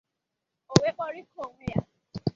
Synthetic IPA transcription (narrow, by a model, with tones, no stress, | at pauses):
o˨we˦k͡pɔ˦ɾi˦kʰo˦˨ŋʷe˦ja˦